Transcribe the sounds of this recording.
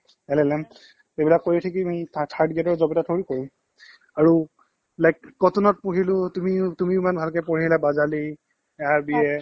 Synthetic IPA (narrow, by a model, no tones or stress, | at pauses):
ɛlɛlɛm | ebilakːojitʰakimɔtʰaɹdɡɛtɔɹzɔbɛtatʰoɹikoɹũ | aɹu | lajkɡɔtɔnɔt̚puɦilʊtumitumimanbʱalkɛpɔɹilabazali | ɛaɹbiɛ